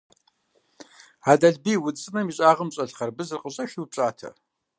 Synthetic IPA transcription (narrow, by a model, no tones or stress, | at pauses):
aːdɐɮbiːwʊt͡sʼɨmɐmiɕʼaːʁəmɕʼɐɬχɐrbɨzɨrqəɕʼɐʃiwpɕʼaːtʰɐ̰